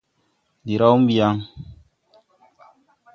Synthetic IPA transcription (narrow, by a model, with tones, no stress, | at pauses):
di˨ɾa˦u˦m̩˦bi˨a˦ŋ